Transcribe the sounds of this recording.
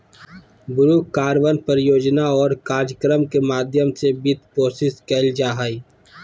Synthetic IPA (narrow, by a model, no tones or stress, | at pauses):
bʊɾuːkkaːɾʋənpəɾjoːd͡ʒnaɔːɾkaːd͡ʒəkɾəmkemaːd̪ʱjəmsebɪt̪̚poːsɪskɛːld͡ʒaːɦaːi